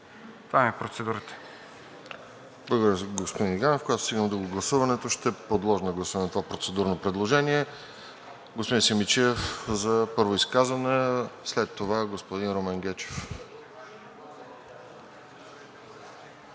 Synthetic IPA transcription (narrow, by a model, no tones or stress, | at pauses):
t̪vamɛpɾot̪sɛd̪uɾət̪ɛ̥ | blˠəɡod̪əɾjəɡospod̪iniɡanofkoɡjat̪o̥st̪iɡənmd̪uɡoɡlˠɐsuvɐnɛt̪oʃt̪ɛpod̪lˠɔʒnɡlˠɐsuvɐnɛt̪ovapɾot̪sɛd̪uɾnopɾɛd̪lˠoʒɛniɛ | ɡospod̪ĩnsimit͡ʃifzɐpɤɾvoiskazvɐnɛslɛt̪ːovaɡospod̪inɾomɛŋɡɛt͡ʃɛ̥f